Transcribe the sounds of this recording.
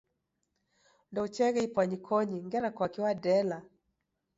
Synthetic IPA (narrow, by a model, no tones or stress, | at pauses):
ndɔut͡ʃɛɣɛipwaɲikʰɔɲiŋɡɛɾakwakiwadɛla